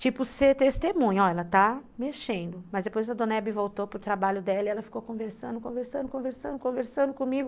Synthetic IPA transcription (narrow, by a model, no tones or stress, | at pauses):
t͡ʃipʊset̪est̪emũɲɐɔɛlɐt̪ameʃẽnd̪ʊmɐzd̪epojzɐd̪õnɛbɪvowt̪opɾʊt̪ɾabaʎʊd̪ɛlɐiɛlɐfi̥kokõveɾsɐ̃nd̪ʊkõveɾsɐ̃nd̪ʊkõveɾsɐ̃nd̪ʊkõveɾsɐ̃nd̪ʊkõmiɡʊ